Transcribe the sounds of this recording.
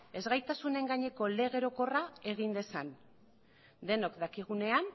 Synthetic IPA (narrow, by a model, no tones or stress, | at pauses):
e̞zɣajt̪asune̞ŋɡaɲe̞ko̞le̞ɣ̞e̞ɾo̞ko̞rae̞ɣ̞ind̪e̞san | d̪e̞no̞kd̪akiɣ̞une̞an